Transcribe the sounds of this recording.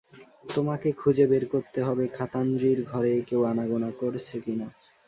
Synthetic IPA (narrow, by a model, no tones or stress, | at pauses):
t̪omakekʰud͡ʑebeɾkoɾt̪eɦɔbekʰat̪and̪ɾiɾɡʱɔɾekewanaɡonakoɾt͡ɕʰekina